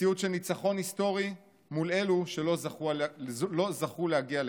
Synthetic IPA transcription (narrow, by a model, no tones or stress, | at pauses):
iut̪ʃelnit͡saχo̞nhist̪o̞ʁi | mule̞luʃe̞lo̞zaχulo̞zaχulehaɡiale